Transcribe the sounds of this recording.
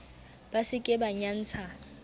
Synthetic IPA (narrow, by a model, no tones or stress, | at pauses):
b̥asɪkʼɪbaɲan̩ːt͡sʰa